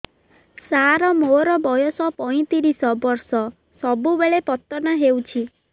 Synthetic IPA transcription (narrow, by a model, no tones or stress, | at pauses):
saɾɔmoɾɔbɔjɔsɔpɔĩt̪iɾisɔbɔɾsɔ | sɔbubeɭepɔt̪ːɔnaɦewt͡ʃʰi